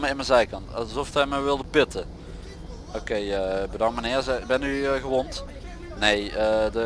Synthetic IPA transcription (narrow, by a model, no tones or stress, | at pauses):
məɪnməzɛjkɑntɑ̰zɔftɛjməʋɪlˠdəpɪtə | okejəbədɔŋmənɪːɹzɛbɛntyəɣəʋɔnt | nejədə